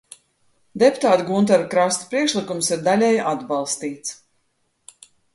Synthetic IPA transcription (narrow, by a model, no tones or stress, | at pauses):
d̪ɛpu̥t̪aːt̪ɡunt̪̬aɾkɾast̪u̥pɾiɛkʃlˠikumsiɾd̪alʲɛjad̪balˠst̪iːt̪s